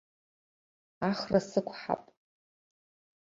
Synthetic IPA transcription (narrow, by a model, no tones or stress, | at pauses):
aχrasɨkʷʰħa̰pʼ